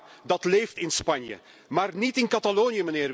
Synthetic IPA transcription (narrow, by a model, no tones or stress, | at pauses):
dɑtleːftɪnspɑnjə̰ | maːrnitɪnkɑtaloːnjəmənɪːr